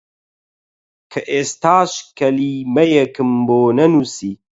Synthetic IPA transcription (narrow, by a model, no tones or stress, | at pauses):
kʰɐʔeːst̪aːʃkɐliːmɐjɐkɨmboːnɐnusiː